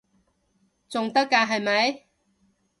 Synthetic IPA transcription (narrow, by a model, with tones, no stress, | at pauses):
t͡sʊ˨ŋt̪ɐ˥kːaː˧ɦɐ˨jmɐ˨˥j